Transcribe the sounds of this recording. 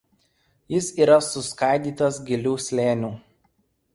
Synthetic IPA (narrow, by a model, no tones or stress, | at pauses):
jɪsiːɾɐsʊskɑˑɪd̪ʲiːt̪ɐs̬ɡʲɪlʲuːsʲlʲeːnʲuː